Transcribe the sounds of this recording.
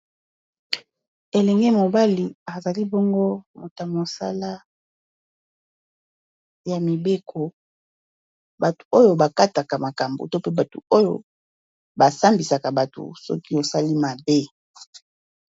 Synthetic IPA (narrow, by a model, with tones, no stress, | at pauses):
e˨lɛ˨ŋɡe˦mo˨ba˦li˨a˨za˨li˦bɔ˦ŋɡo˦mo˨ta˨mo˨sa̰˦la˦ | ja˨mi˨be˦kʰo˨ | ba˨tu̥˨o˦jo˨ba˨ka˦ta˨ka˨ma˨ka˨mbo̰˨to˦pe˦ba˨tu˨o˦jo˦ | ba˨sa˦mbi˨sa˨ka˨ba˨tṵ˨sɔ̰˦ki˦o˨sa˦li˦ma˨be˦